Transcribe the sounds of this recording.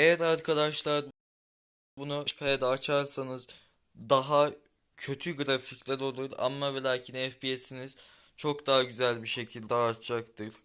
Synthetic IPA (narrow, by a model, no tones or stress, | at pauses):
ejæɾaɾkʰad̪aʃlˠaɾ | bunuʃpʰeːd̪ɛːt͡ʃʰaɾsanɯz | d̪aɦa | cʰø̞t̪ʰyɡɯɾaficlʲæɾo̞lˠuɾa̰mːavelʲaːcʰinɛfbiesiniz̥ | t͡ʃʰo̞kd̪aɦaɟyzælʲbiʃe̞cʰilʲd̪ɛːt̪ʰd͡ʒakt̪ʰɯɾ̥